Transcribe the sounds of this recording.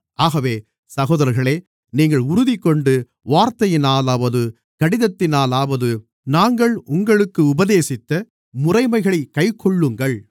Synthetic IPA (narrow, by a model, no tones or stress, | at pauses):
ʔaːɣɐʋeː | sɐɣoːðɐɾɐɾɣɐɭeː | niːŋɡɐɭʊɾʊðɪkːɔɳɖɯ | ʋaːɾt̪ɐjɪnaːlaːʋɐðɯ | kɐɽɪðɐt̪ːɪnaːlaːʋɐðɯ | naːŋɡɐɭʊŋɡɐɭɯkːɯʊbɐðeːsɪt̪ːɐ | mʊrɐɪmɐɪɣɐɭɐɪkːɐɪkʰːɔɭːɯŋɡɐɭ